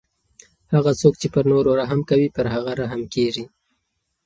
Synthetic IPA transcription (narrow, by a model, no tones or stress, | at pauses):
haɣat͡sokt͡ʃepəɾnoɾoɾaɦamkawipəɾɦaɣaɾaɦamkeʐi